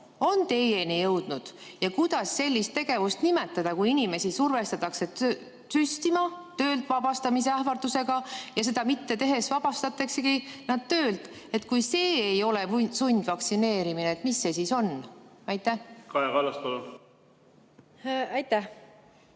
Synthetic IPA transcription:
o̞nt̪e̞jenijɤwd̪̥nud̪̥jɑkujd̪̥ɑsːe̞lʲːist̪ːe̞ɡ̥e̞vust̪nime̞t̪ːˑɑd̪̥ɑkujinʲime̞sisurve̞st̪ɑt̪ˑɑkse | syst̪imɑt̪ø̞ːlt̪vɑbɑst̪ɑmis̬eæhvɑrd̪use̞ɡ̥ɑjɑse̞d̪̥ɑmit̪ːe̞t̪e̞ɦe̞svɑb̥ɑst̪ɑt̪ːˑeksekinɑd̪̥̚t̪øːld̪ | e̞t̪kujse̞ːejo̞le̞vsunʲd̪̥vɑksine̞ːɾimineːt̪misːe̞siːso̞nɑjt̪ːˑæhkɑeɡɑlɑst̪olu | ɑjt̪ːæh

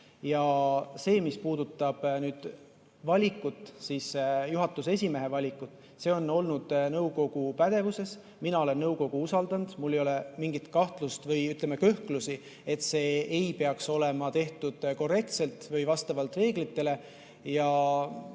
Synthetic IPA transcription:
jɑse̞ːmispuːd̪̥ut̪ːˑɑb̥nyːd̪̥ | vɑlʲikːˑut̪ːˑsisjuɦɑt̪ːˑuse̞s̬ʲime̞ɦe̞vɑlʲikːˑut̪ːˑ | se̞ːo̞nːo̞lnud̪̥nɤwko̞ɡ̥upæd̪̥e̞vuse̞s | minɑo̞le̞nːɤwko̞ɡ̥uusɑld̪̥ɑnd̪̥mulːe̞jo̞le̞miŋɡ̥it̪kɑht̪lust̪vɤjyt̪ˑle̞mekø̞hklusi | e̞t̪ːse̞ːejpe̞ɑkso̞le̞mɑt̪e̞ht̪ud̪̥ko̞re̞k̚t̪se̞lt̪ˑvɤjvɑst̪ɑvɑlt̪ˑre̞ːɡlit̪ːe̞le̞ | jɑ

